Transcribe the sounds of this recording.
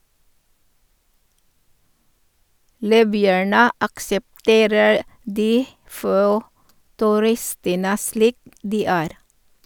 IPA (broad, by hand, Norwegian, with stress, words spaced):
ˈliːbʏæɳə ɑksɛpˈteːɾəɾ ˈdiː ˈfoː tʉˈɾɪstənə ˈsliːk ˈdiː ˈæːɾ